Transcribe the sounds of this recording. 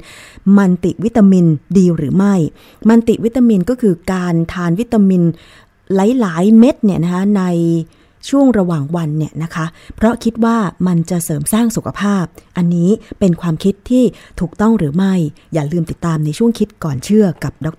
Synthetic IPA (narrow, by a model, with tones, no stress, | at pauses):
ma˧nt̪i˨˩wi˦˥t̪ːa˧mi˧ndiː˧ɾɯː˩˦ma˥˩j | ma˧nt̪i˨˩wi˦˥t̪ːa˧mi˧nkɔː˥˩kʰɯː˧kaː˧nt̪ʰaː˧nwi˦˥t̪ːa˧mi˧n | la˦˥jlaː˩˦jme˦˥t̪̚ni˥˩na˦˥kʰa˦˥na˧j | t͡ɕʰu˥˩əŋɾa˧waː˨˩ŋwa˧nːi˥˩əna˦˥kʰa˦˥pʰɾɔ˦˥kʰi˦˥t̪̚waː˥˩ma˧nt͡ɕa˨˩sɤː˩˦msaː˥˩ŋsu˨˩kʰa˧pʰaː˥˩p̚ʔa˧nːiː˦˥pe˧nkʰwaː˧mkʰi˦˥t̪ʰːiː˥˩t̪ʰuː˨˩k̚t̪ɔ˥˩ŋɾɯː˩˦ma˥˩j | jaː˨˩lɯː˧mt̪i˨˩t̪ːaː˧mna˧jt͡ɕʰu˥˩əŋkʰi˦˥t̪̚kɔː˨˩nt͡ɕʰɯ˥˩ɐka˨˩p̚dɔ˦˥k̚